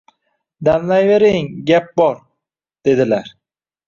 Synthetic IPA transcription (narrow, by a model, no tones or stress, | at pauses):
d̪amlajve̞ɾɪŋɡʲap̚bɒɾ | d̪̥e̞d̪ɪlaɾ